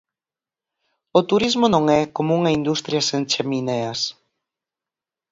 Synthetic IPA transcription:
ʊt̪uɾizmonõŋɛkomuŋɐind̪ust̪ɾjɐsent͡ʃemineɐs

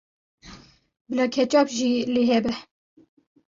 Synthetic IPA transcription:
bəlɑkʰɛt͡ʃɑːpʒileːɦɛbɛ

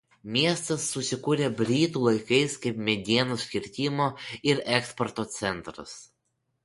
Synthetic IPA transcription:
mʲiɛst̪ɐsːʊsʲɪkuːɾʲebʲɾʲiːt̪uːlˠɐɪkɐɪskɐɪpmʲɛd̪ʲiɛnosʲkʲɪɾʲt̪ʲɪːmoːɪɾɛkspɔɾt̪oːt̪sʲɛnˑt̪ɾɐ̰s

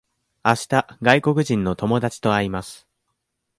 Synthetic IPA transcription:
aɕi̥t̪aɡaiko̞kɯ̟ʑĩnːo̞t̪o̞mo̞d̪at͡ɕi̥t̪o̞aɾʲimasɨ̥

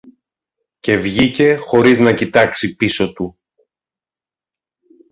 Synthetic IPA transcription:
ce̞vʝice̞xo̞ɾiznɐcit̪ɐksipiso̞t̪u

